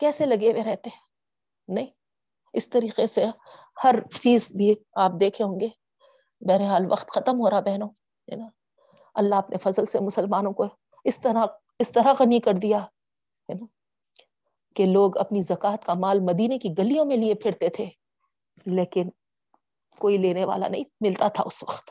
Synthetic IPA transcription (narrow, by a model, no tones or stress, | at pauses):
kɛːselɐɡeʋeɾɛɦt̪eɦɛ̃ | nɐɦĩː | ɪst̪ɐɾiːqese | hɐɾt͡ʃiːzbʱiaːp̚d̪eːkʰeɦõːŋɡeː | bɛːɾeɦaːlʋɐ̰qt̪xɐt̪əmɦoːɾabɛɦnõ | ɦɛ̰ːna | ɐlːaɦɐpnʔefɐzəlsemʊsəlmaːnõko | ɪst̪ɐɾa | ɪst̪ɐɾaɣɐnikɐɾd̪ija | ɦɛna | keloːɡɐ̰pnizɐkaːt̪kamaːlmɐd̪iːnekiɡɐlijõmẽliepʰɪɾt̪et̪ʰeː | leːkɪn | koːileːneʋa̰ːla̰nɐɦĩmɪlt̪at̪ʰa̰ʊsʋɐ̰qt̪